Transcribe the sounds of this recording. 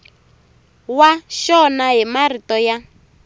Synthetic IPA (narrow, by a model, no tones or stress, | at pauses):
waʃɔnaɦimaritɔja